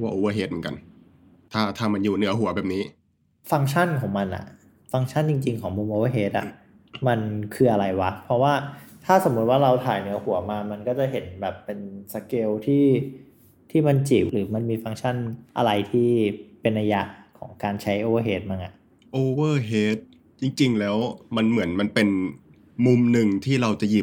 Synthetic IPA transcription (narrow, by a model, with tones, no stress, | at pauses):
waː˥˩ʔoː˧əː˧ɦeː˦˥t̪̚mɯ˩˦˥ka̰˧n | t̪ʰaː˥˩t̪ʰaː˥˩ma˧njuː˨˩nɯ˨˩˦ɐɦu˨˩˦ɐbɛː˨˩p̚niː˦˥ | fa˧˥ŋt͡ɕʰa˥˩nkʰɔː˩˦ŋma˧nʔa̰˨˩ | fa˧ŋt͡ɕʰa˥˩nt͡ɕi˧ŋt͡ɕi˧ŋkʰɔː˩˦ŋmuː˧mʔoː˧a˧ɦeː˨˦˥t̪̚ʔa̰˨˩ʔ | ma˧nkʰɯː˧ʔa˧ɾa˧jwa˦˥pʰɾɔ˦˥waː˥˩t̪ʰaː˥˩so˨˩˦mu˦t̪̚waː˥˩ɾa˧wt̪ʰaː˨˩˦jnɯ˩˦ɐhu˨˩˦ɐmaː˧ma˧nkɔː˥˩t͡ɕa˨˩ɦe˩˦nbɛː˨˩pːe˧nsa˧keː˧wt̪ʰiː˥˩ | t̪ʰiː˥˩ma˧nt͡ɕiː˨˩pɾɯː˩˦ma˧nmiː˧fa˧ŋt͡ɕʰa˥˩nʔa̰˧ɾa˧jt̪ʰiː˥˩pe˧nʔa˧ja˦˥kʰɔ̰ː˩˦ŋkaː˧nt͡ɕʰa˦˥jʔoː˧a˧ɦeː˦˥t̪̚ma˧ŋʔa˨˩ʔ | ʔoː˧˩wɤː˧˩ɦeː˦˥t̪̚ | t͡ɕi˧ŋt͡ɕi˧ŋlɛː˦˥wma˧nmɯ˩˦ənma˧npe˧n | mu˧mnɯ˨˩ŋt̪ʰiː˥˩ɾa˧wt͡ɕa˨˩ji˨˩p̚